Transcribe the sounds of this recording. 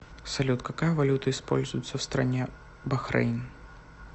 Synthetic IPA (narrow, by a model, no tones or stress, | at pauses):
sɐlʲut̪kɐkajəvɐlʲut̪əɪspo̰lʲzʊjɪt̪səfst̪ɾɐ̰nʲe | bɐxɾɐ̰jn